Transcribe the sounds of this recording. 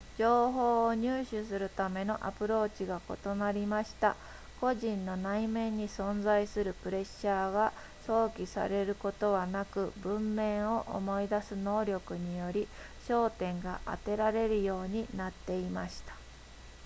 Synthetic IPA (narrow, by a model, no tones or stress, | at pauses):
d͡ʑo̞ːɦo̞ːɲ̟ɨːɕɨsɨɾɯ̟t̪ame̞no̞ʔa̰pɯ̟ɾo̞ːt͡ɕiɡako̞t̪o̞naɾʲimaɕi̥t̪a̰ | ko̞ʑĩnːo̞naimẽ̞ɲ̟ːisõ̞nd͡zaisɨɾɯ̟pɯ̟ɾe̞ɕːaːɡa | so̞ːkʲisa̰ɾe̞ɾɯ̟ko̞t̪o̞βanakɯ̟bɯ̟̃mːẽ̞ɰ̃o̞ʔo̰mo̞id̪asɨno̞ːɾʲo̞kɯ̟ɲ̟ijo̞ɾʲi | ɕo̞ːt̪ẽ̞ŋɡa̰ʔa̰t̪e̞ɾaɾe̞ɾɯ̟jo̞ːɲ̟inat̪ːe̞imaɕi̥t̪ḁ